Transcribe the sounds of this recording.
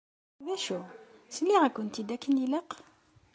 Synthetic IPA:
væʃu | səlːiʁækʊnt̪id̪ækːəniləq

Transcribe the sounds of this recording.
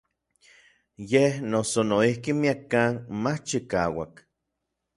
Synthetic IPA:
jehnosonoihkimiakːaːnmat͡ʃikaːwa̰k

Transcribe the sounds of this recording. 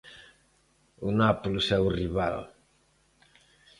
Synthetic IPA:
unapulsɛuwriβa̰l

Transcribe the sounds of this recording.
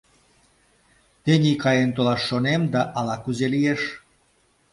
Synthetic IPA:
t̪enʲikɑjent̪olɑʃːonemd̪ɑʔɑlɑkyzelijeʃ

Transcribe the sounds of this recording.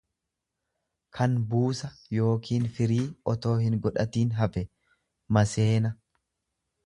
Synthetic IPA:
kʰɐnbuːsɐjo̞ːkʰiːnfɪɾiːɔt̪o̞ːhɪŋɡɔᶑɐt̪iːnɦɐfɛ | mɐse̞ːnɐ

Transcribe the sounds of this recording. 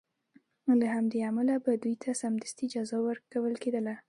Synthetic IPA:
lahamd̪eamalabad̪ujt̪ʰasamd̪əst̪id͡ʒɑzɑwəɾkawəlked̪əla

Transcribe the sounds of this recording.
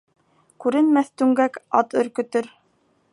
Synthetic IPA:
kʉɾɘ̆nmæθt̪ʉŋɡækɑ̰t̪ɵ̆ɾkɵ̆t̪ɵɾ

